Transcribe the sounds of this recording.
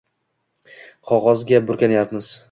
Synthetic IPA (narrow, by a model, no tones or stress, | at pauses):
qʰɒʁɒzɡʲabʊɾkʲanajapmɪz̥